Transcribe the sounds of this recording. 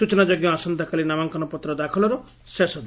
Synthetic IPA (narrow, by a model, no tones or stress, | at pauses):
ut͡ʃɔnad͡ʒoɡjɔasɔnd̪ʱakalinamaŋkɔnɔpɔt̪ɾɔd̪akʰɔlɔɾɔ | sesɔd̪